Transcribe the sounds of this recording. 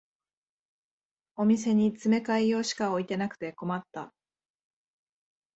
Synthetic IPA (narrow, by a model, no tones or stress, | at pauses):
o̞mʲis̬e̞ɲ̟it͡sɨme̞kaijo̞ːɕi̥kao̞it̪e̞nakɯ̟̥t̪e̞ko̞mat̪ːa̰